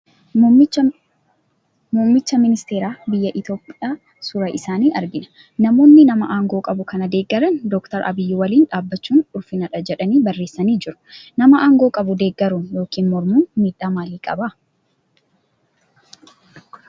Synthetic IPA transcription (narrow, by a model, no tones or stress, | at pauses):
muːmːɪt͡ʃːɐmɪnɪst̪e̞ːɾaːbɪjːɐʔɪt̪o̞ːpʼːɪjaː | sʊɾɐʔɪsaːniːʔɐɾɡɪnɐ̥ | nɐmo̞ːnːɪnɐmɐʔaːŋɡo̞ːkʼɐbʊkɐnɐd̪e̞ːɡːɐɾɐnd̪ɔkt̪ɐɾʔɐ̰bɪjːɪwɐliːnᶑaːbːɐt͡ʃːuːnʊlfɪnɐᶑɐd͡ʒɛᶑɐniːbɐrːe̞ːsːɐniːd͡ʒɪɾʊ̥nɐmɐʔaːŋɡoːkʼɐbʊd̪e̞ːɡːɐɾunjo̞ːkiːnmɔɾmuːnmiːᶑaːmaːliːkʼɐbɐ